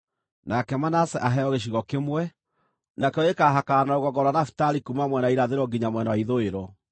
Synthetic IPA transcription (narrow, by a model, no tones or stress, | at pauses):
nakɛmanasɛʔaɦɛɔɣeɕ̬iɣɔkemwɛ | nakɛɔekaːɦakanaoɣɔɡɔɾwanafi̥taɾikumamwɛnaiɾaðeɾɔɡiɲamwɛnawaiðoeɾɔ